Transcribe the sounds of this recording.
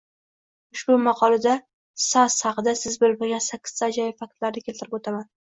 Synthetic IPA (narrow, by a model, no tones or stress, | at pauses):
ʊʃbʊmɑqʰɒlad̪a | sashɑqɨd̪asɪzbɪlmɪɾɡʲansakʲʰːɪ̥z̥t̪ʰad͡ʒɒjfak̚t̪laɾnɪkʲelt̪ɪɾɪpot̪ʰaman